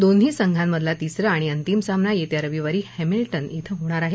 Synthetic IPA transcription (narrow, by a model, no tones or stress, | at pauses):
d̪onɦiːsəŋɡʱãmːəd̪ʱlat̪isɾəaɽ̃iənt̪imsamnajet̪jaɾəʋiʋaɾiːhemilʈənit̪ʰəɦoɽ̃aɾaɦe